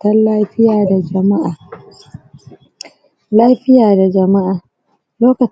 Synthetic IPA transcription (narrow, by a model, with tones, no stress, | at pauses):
tɐ˦nlaː˦ɸɪ˦jaː˨da˨d͡ʒɐ˨ma˦ʔaː˨ | laː˦ɸɪ˦jaː˨da˨d͡ʒɐ˨ma˦ʔaː˨ | loː˦kɐ˨